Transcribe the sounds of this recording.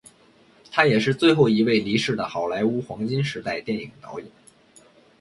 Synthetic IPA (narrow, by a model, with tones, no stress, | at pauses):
t̪ʰa˥jɛ˨˩ʂɻ̩˥˧t͡swe˥˧ɪxo˥˩ʊi˧˥we˥˩ɪli˧˥ʂɻ̩˥˩d̪ə˩xɑ˨˩ʊla˧˥ɪu˥xwɑ˧˥ŋt͡ɕi˥nʂɻ̩˧˥t̪a˥˧ɪt̪jɛ˥˩ni˨˩ŋt̪ɑ˧˥ʊi˨˩˦